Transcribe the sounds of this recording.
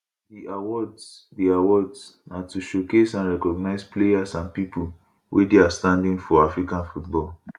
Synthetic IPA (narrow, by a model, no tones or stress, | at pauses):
diawɔdsdiawɔdsnatuʃokesãnɹɛkɔɡnaɪsplejasãnpipul | wʔḛdeastãndĩŋfɔafɹikãnfutbɔl